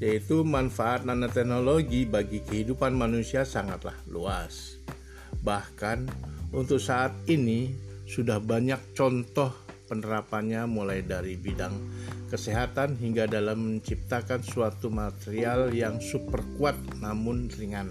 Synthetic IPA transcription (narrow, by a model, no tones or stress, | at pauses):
jait̪umanfaːt̪̚nanat̪ɛhnoloɡibaɡikəɦidupanmanusiasaŋat̪la̰hlṵas | bahkanunt̪ʊk̚saʔːt̪̚inisudahbaɲak̚t͡ʃɔnt̪ɔhpənəɾapanɲamulajdaɾibidaŋkəseɦat̪anɦiŋɡadalaməɲt͡ʃip̚t̪akansuat̪umat̪eɾialjaŋsupərkuat̪̚namʊnriŋan